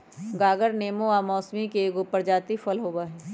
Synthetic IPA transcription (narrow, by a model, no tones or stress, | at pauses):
ɡaːɡəɾneːmoaːmɔːsmikeɡʊpəɾd͡ʒaːt̪ifəlɦoːaɦɛː